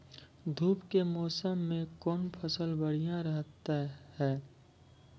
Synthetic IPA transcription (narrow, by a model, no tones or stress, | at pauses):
d̪ʱuːpkemɔːsəmːẽkɔːnpʰəsəlbəɽ̤ijãɾəɦt̪ahɛː